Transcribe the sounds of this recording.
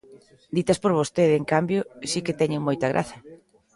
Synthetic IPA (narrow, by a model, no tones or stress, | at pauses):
d̪it̪ɐspoɾβ̞ost̪eðeŋkambjosikɪt̪ɛɲeŋmojt̪ɐɣ̞ɾʔa̰θɐ